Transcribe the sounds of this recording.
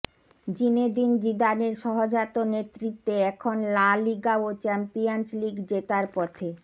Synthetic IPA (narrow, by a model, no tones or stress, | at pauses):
d͡ʑined̪ind͡ʑid̪aneɾʃɔɦod͡ʑat̪onet̪ːɾit̪ːeɛkʰonlaliɡaot͡ɕɛmpiansliɡd͡ʑet̪aɾpɔt̪ʰe